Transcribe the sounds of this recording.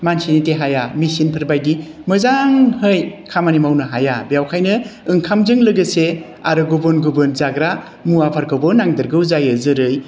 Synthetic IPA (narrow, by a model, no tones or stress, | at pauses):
mansiniteɦajamisinpʰɯɾbajdimɯzaŋhɯjkʰamanimawnɯɦajabjawkʰajnɯɯŋkʰamzɯŋlɯɡɯse | aɾɯɡubɔnɡubɯnzaɡɾa | muapʰaɾkʰabɔnːaŋdɯɾɡɯwzajɯzɯɾɯj